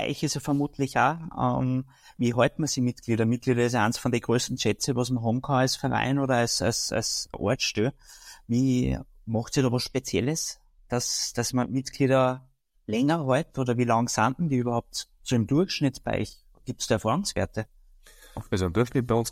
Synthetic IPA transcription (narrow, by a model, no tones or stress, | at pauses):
a̰ɪçɪsofɛɐmuːtʰlɪçaːə̰m | viːɦɔɪtmɐsimitɡ̥liːɾɐmit̚ɡ̥liːɾɐɪs̬æɪnsfɔndɛɡ̥ʁøːstn̩ʃɛt͡səʋosmɐɦɔːbmkʰɑ̃nœsfɛɐʁa̰ɪnoːɾɐɑsa̰sa̰sʔo̰ɐtʃtyːviː | mɑxtsiːdɔʋɔsʃpet͡sjɛləs | d̥asd̥asmɐmitɡ̥liːɾɐ | lɛŋɐɦɔɪtoːdɐviːlɑŋsandmədiːybɐhaʊp̚t | t͡sudemd̥uɐxʃnɪtb̥a̰ɪç | ɡ̥iːp̚tsd̥ɑɐfɑːʁʊŋsv̥ḛːɐtə | sod̪uɐftibæɪʊ̃ns